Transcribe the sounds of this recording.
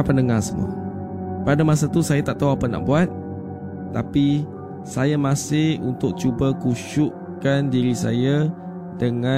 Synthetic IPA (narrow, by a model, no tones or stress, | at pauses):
pəndəŋasəmṵ | padamãsat̪usajat̪aʔ̚t̪aɦuapana̰ʔ̚buat̪̚ː | api | sajamãsɪhunt̪ʊk̚t͡ʃubakuʃʊʔ | kandiɾisa̰ja | dəŋã